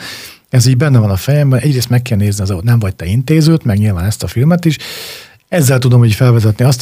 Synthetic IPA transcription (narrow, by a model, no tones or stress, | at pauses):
ɛziːɟbɛnːɛvɒnɒfɛjɛmbɛnʔɛɟreːst̪mɛkːɛlneːzniɒzɒot̪nɛɱvɒct̪ɛint̪eːzøːt̪mɛɡɲilvaːnɛst̪ɒfilmɛt̪iʃ | ɛzːɛlt̪ud̪o̞miːɟfɛlvɛzɛt̪niɒst̪